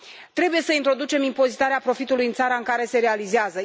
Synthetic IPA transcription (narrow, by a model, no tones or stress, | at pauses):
t̪ɾe̞buje̞səint̪ɾo̞d̪ut͡ʃe̞mimpo̞zit̪aɾeapɾo̞fit̪ulujɨnt̪saɾaɨŋkaɾe̞se̞ɾe̞alizeazə